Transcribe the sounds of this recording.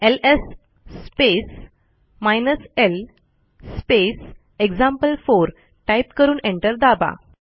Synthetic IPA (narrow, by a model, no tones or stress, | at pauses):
elesː | pes | majnəsel | spes | eɡd͡ʑãmpəlfoɾ | ʈaipkəɾuːnẽɳʈəɾd̪aba̰